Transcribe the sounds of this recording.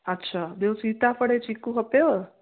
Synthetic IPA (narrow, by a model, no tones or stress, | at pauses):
ətːʃʰad̪ewsit̪afəɽet͡ʃikũɦəpe